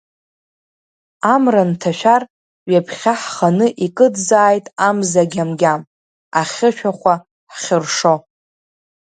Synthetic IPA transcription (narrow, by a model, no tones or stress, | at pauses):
amrantʰaʃᶣar | ɥapʰχʲaħχanɨʔikʼɨdzaːjtʼamzaɡʲamɡʲam | aχʲɪʃᶣaχʷa | ħχʲɪrʂo̞